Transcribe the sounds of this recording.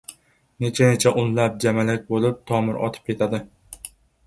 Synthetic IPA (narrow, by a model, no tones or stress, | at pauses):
ne̞t͡ʃʰanet͡ʃʰaʔʊnlap̚d͡ʒamalɪk̚ʲbolˠɪp̚t̪ʰɒmɪɾʔɒ̰t̪ʰɨ̥p̚kʲʰe̞t̪ʰad̪ɪ